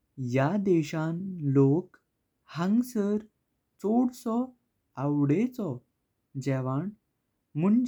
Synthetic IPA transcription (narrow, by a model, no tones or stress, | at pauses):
jad̪ɛɕãnlok | hãŋɡsəɾ | t͡soɽsɔ | awɽet͡sɔ | d͡ʑɛʋaɳ | muɳd͡ʑ